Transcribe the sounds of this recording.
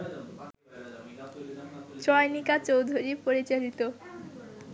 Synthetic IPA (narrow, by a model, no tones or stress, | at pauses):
t͡ɕɔjnikat͡ɕowd̪ʱuɾipoɾit͡ɕalit̪o